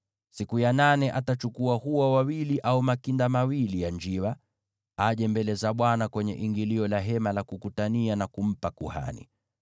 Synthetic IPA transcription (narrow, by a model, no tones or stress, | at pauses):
sikujananɛʔatat͡ʃukuahuwawawiliʔaumakindamawilijaɲd͡ʒiwa | aʄɛmbɛlɛzaɓwanakwɛɲɛ̰ʔiŋɡiliɔlaɦɛmalakukutanianakum̩pakuha̰nḭ